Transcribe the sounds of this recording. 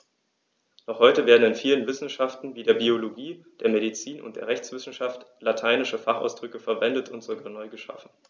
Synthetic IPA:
nɔχhɔʏtəveːɐdn̩ɪnfiːlənvɪsn̩ʃaftn̩viːdeːɐbioloɡiːd̥eːɐmeɾit͡siːnʊ̰ntd̥eːɐʁ̞ɛçt͡sv̥ɪsn̩ʃaftlatʰaɪnɪʃəfaχa̰ʊsd̥ʁʏkəfɛɐvɛndətʰʊntz̥oɡaːɐnɔʏɡəʃa̰fn̩

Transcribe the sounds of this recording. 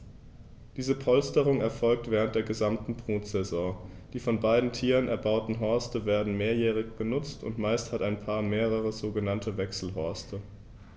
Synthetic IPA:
d̥iːzəpʰɔlstəʁʊŋɛɐfɔlk̚tv̥ɛːʁ̞ənt̚d̥eːɐɡəzamtn̩bʁ̥uːtz̥ɛzɔ̃ː | d̥iːfɔnbaɪdn̩tʰiːʁənɛɐbaʊtn̩ɦɔɐstəveːɐdn̩meːɐjɛːʁ̞ɪçb̥ənʊt͡stʰʊ̰ntmaɪsthataɪnpʰaːɐmeːʁ̞əʁəzoːɡənantʰəvɛksl̩ɦɔɐstʰə

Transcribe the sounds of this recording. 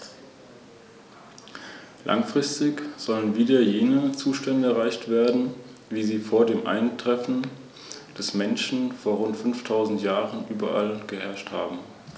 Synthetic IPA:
lʔa̰ŋfʁ̥ɪstɪkz̥ɔlənviːdɐjeːnət͡suːʃtɛndəɛɐʁaɪçtv̥eːɐdn̩viːziːfoːɐdeːmʔa̰ɪntʁ̥ɛfn̩ | d̥ɛsmɛnʃn̩foːɐʁʊntfʏnftʰaʊzn̩tjaːʁənʔyːbɐ̰ʔa̰lɡ̥əhɛɐʃtha̰ːbm̩

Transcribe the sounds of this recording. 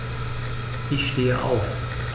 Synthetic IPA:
ʔɪçʃteːəʔa̰ʊf

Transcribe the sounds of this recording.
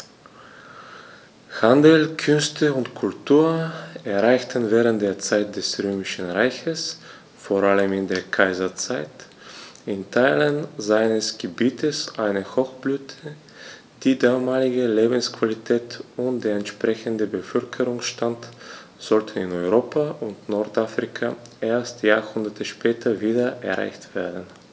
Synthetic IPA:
handl̩kʰʏnstʰəʊntkʰʊltʰuːɐɛɐʁaɪçtʰən̩vɛːʁ̞ənt̚d̥eːɐt͡saɪt̚d̥ɛsʁøːmɪʃn̩ʁaɪçəs | foːɐʁaləmɪndeːɐkʰaɪzɐt͡saɪt | ɪntʰaɪlənzaɪnəsɡ̥əbiːtʰəsʔaɪnəhɔxb̥lyːtʰə | d̥iːdaːmaːlɪɡəleːbn̩skv̥alitʰɛːtʊnt̚d̥eːɐɛntʃpʁ̥ɛçəndəbəfœlkʰəʁʊŋsʃtantz̥ɔltənɪnɔʏʁoːpʰaʔʊntnɔɐtʔafʁ̥ikʰaʔeːɐstjaːhʊndɐtʰəʃpʰɛːtʰɐviːdɐʔɛ̰ɐʁa̰ɪçtv̥eːɐdn̩

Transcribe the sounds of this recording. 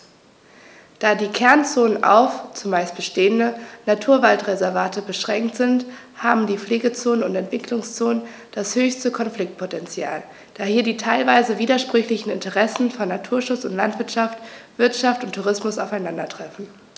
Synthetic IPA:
d̥aːdiːkʰɛɐnt͡soːnənʔa̰ʊft͡sʊmːaɪst̚b̥əʃteːəndənatʰuːɐvaltʁezɛɐvaːtəbəʃʁ̥ɛŋktz̥ɪnt | haːbm̩diːfleːɡət͡soːnənʊntɛntv̥ɪklʊŋst͡soːnən | d̥ashøːçstəkʰɔnflɪk̚t̚pʰotɛnt͡sja̰ːl | d̥aːhiːɐdiːtʰaɪlvaɪzəviːdɐʃpʁ̥ʏçlɪçn̩ɪntəʁɛsn̩fɔnːatʰuːɐʃʊt͡sʊntlantv̥ɪɐtʃaftv̥ɪɐtʃaftʊntʰːuʁɪsmʊsaʊfaɪnandɐtʁ̥ɛfn̩

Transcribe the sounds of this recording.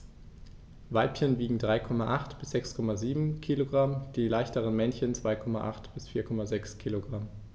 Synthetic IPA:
vaɪpçənviːɡŋ̩dʁaɪkʰɔmaʔaχtb̥ɪsz̥ɛkskʰɔmaziːbm̩kʰiːloɡʁamd̥iːlaɪçtəʁənmɛnçənt͡sv̥aɪkʰɔmaʔa̰χtb̥ɪsfiːɐkʰɔmazɛkskʰiːloɡʁam

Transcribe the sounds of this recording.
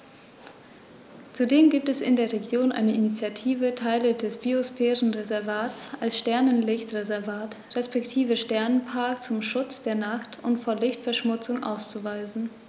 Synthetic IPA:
t͡sudeːmɡiːp̚tɛsɪ̰ndeːɐʁeɡjoːnʔa̰ɪnəʔinit͡sjatʰiːvətʰaɪlədɛsb̥iosfɛːʁənʁezɛɐvaːtt͡sʔalsʃtɛɐnənlɪçtʁezɛɐvaːt | ʁɛspɛktʰiːvəʃtɛɐnənpʰaɐkt͡sʊmʃʊt͡sd̥eːɐnaχtʊ̰ntfoːɐlɪçtfɛɐʃmʊt͡sʊŋʔa̰ʊst͡suvaɪzn̩

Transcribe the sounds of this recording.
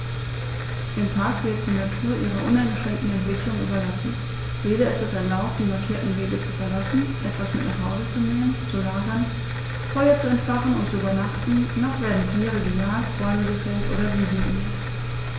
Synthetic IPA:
ʔɪmtʰaːkv̥ɪːt̚z̥idatʰyuːɐʔiːʁɐʔʊnaɪnɡəʃʁ̥ɛŋktn̩ɛntv̥ɪklʊŋʔy̰ːbɐlasn̩ | jeːɾɐɪstɛsɛɐlaʊp̚t̚d̥iːmaɐkʰiːɐtn̩veːɡət͡sufɛɐlasn̩ʔɛtv̥asmɪtnaχhaʊzət͡suneːmənt͡sulaːɡɐn | fɔʏɐt͡suɛntfaʁənʊ̰ntt͡suybɐnaχtn̩naχv̥eːdn̩tʰiːʁəɡəjaːtb̥ɔɐməɡəfɛltʔo̰ːɾɐviːzn̩ɡənḛː

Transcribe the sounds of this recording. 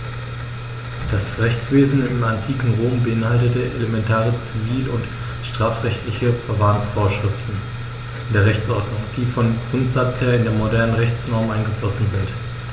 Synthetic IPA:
d̥asʁɛçt͡sv̥eːzn̩ɪmantʰiːkŋ̩ʁoːmbəɪnhaltətəʔḛlemɛntʰaːʁət͡siviːlʊnt | ʃtʁ̥aːfʁɛçtlɪçəfɛɐvansfoːɐʃʁ̥ɪftn̩ | ndeːɐʁɛçt͡sʔɔɐdnʊŋd̥iːfɔnɡ̥ʁʊntz̥at͡sheːɐɪndeːɐmodɛɐnənʁɛçt͡snɔɐmʔaɪnɡəflɔsn̩zɪnt

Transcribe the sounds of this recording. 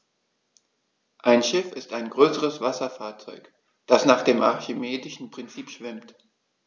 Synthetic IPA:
ʔaɪnʃɪfɪstaɪnɡʁøːsəʁəsv̥asɐfaːɐt͡sɔʏk | d̥asnaːχd̥eːmʔa̰ɐçimeːdɪʃn̩pʁ̥ɪnt͡siːpʃv̥ɪmt

